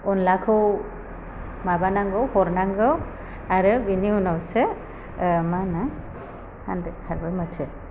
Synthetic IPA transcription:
ɔnlakʰɯw | mabanaŋɡɯwhɔɾnaŋɡɯw | aɾɯbiniunawsɯ | mana | handkʰaɾbɯjmɯtʰɯ

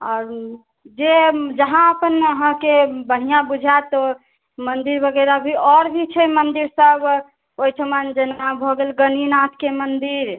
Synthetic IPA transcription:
ɔɾ | d͡ʒed͡ʒəɦãəpənəɦãkebəɦijãbud͡ʒʱat̪ɔ | mənd̪iɾbʱəɡeɾabʱiɔɾbʱit͡ʃʰɛmənd̪iɾsəb | ojʈʰəmənd͡ʒənmabʱɔɡelɡəninat̪kemənd̪iɾ

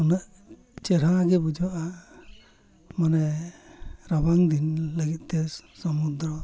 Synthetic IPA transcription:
ɔnaʔ | t͡ʃɛɾ̤aɡɛbud͡ʒɔʔa | manɛ | ɾabaŋd̪inləɡit̪̚ˀt̪ɛsɔmud̪ɾɔ

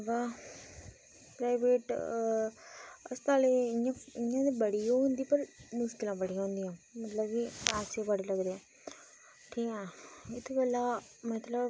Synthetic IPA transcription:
ʋa | pɾaːɪʋeːʈ | ɐ̰st̪aːleãɪɲãːd̪ebɐɽijõɦʊ̃nd̪ipɐɾmʊʃkɪlãbəɽijãːɦʊ̃nd̪iãːmɐt̪ləbiaːsobɐɽelɐɡd̪eãː | ʈʰiːkɛ̃ɪt̪ʰubəlamɐt̪ləb

